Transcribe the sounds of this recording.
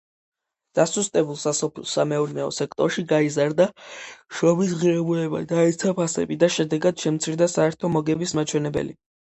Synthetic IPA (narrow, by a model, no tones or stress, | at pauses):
d̪̥asust̪ʼɛbulˠsasɔpʰilˠsamɛɔɾnɛɔ̰sɛk̚ʰt̪ʼɔɾʃiɡaizaɾd̪aʃɔbis̬ʁiɾɛbulɛba̰d̪aɛt̪sʰapʰasɛ̰bid̪aʃɛd̪ɛɡad̪̥ʃɛmt̪sʰiɾd̪asaɛɾt̪ʰɔmɔɡɛbismat͡ʃʰwɛnɛbɛ̰lḭ